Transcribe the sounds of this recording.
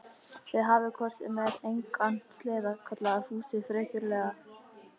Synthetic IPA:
vɪðɦavɪkʰɔɾ̥sɪ̰mɛðejŋkan̥t̪slɛːðakʰœt̪laɣahuːsɪfɾɛːhcʏɾlɛːɣa

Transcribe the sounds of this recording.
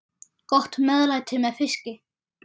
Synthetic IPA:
kɔht̪mɛðlajt̪ʰɪlmɛðfɪscɪ

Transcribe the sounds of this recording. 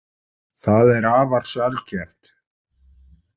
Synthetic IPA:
θaðɛɾaːvaɾ̥salcɛht̪

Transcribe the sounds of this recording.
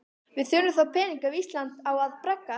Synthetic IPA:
vɪðθjoːwnʏmθawpʰɛːniŋkavist̪lant̪awaðpɾɛkːa

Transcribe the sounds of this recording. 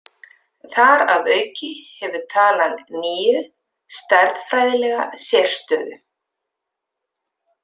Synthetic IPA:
θaɾaðœːɥcɪhɛvʏ̥t̪ʰaːlanːiːjʏ | st̪ɛɾðfɾajðɪlɛɣa̰sɛr̥st̪œːðʏ

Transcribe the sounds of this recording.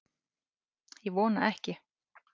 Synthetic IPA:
jɛɣvɔːna̰ɛhcɪ

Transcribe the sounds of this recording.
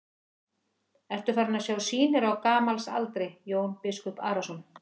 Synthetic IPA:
ɛr̥t̪ʏfaɾnasjaːwsiːnɪɾaɣkaːmalsa̰lt̪ɾɪjoːwnpɪskɔpa̰ːɾasɔn

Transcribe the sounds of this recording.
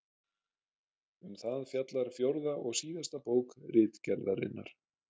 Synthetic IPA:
ʏmθaðfjat̪laɾ̥fjowɾðaʔɔɣsiːðast̪apoːwkrɪːt̪cɛɾðaɾɪ̰nːa̰ɾ̥

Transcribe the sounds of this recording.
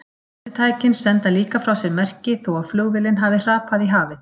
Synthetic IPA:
ɪt̪ʰaːjcɪnsɛnt̪aliːkafɾawsɪɾmɛr̥cɪθɔwaðflœːɣvɪlɪnɦavɪr̥aːpʰaðiɦaːvɪ

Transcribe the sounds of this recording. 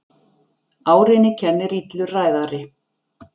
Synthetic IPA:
aːwɾɪnɪcʰɛnːɪɾit̪lʏraːjðaɾɪ

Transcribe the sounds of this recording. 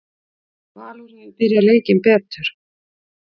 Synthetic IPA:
vaːluɾaðɪpɪɾjaleːjcɪmpɛːt̪ʏɾ̥

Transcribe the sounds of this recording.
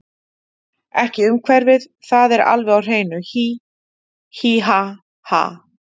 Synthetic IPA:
ɛhcɪʏmkʰvɛɾvɪð | θaðɛɾa̰lvɛɣawr̥eːjnʏçi | hiɦa | ha̰

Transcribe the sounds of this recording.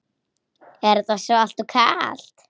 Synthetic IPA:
ɛɾt̪asɔal̥t̪ukʰaːl̥t̪

